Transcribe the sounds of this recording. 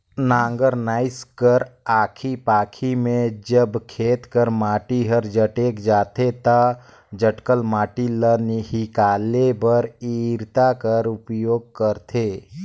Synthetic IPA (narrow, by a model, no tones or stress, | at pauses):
nãːŋɡəɾnaːɪskəɾaːkʰipaːkʰimẽd͡ʒəbkʰeːt̪kəɾmaːʈiɦəɾd͡ʒəʈeːkd͡ʒaːt̪ʰet̪a | d͡ʒəʈkəlmaːʈiləniɦikaːlebəɾiːɾt̪akəɾʊpjoːɡ̚kəɾt̪ʰeː